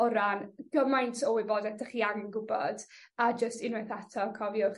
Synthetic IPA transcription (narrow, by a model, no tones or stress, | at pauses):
ɔɾanɡ̥əmajntʰɔwɪboːdɛtʰaχiaŋənɡʊbɔ̰d̥ad͡ʒəstɪnwɛθatʰɔkʰɔvjɔχ